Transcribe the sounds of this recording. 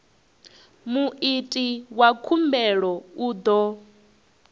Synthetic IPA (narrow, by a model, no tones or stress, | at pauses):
muʔitʼiwakʰumbɛɺɔuːd̪ɔ